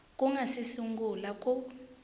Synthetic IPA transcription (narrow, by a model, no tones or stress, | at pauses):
kʼuŋasisuŋɡulakʼu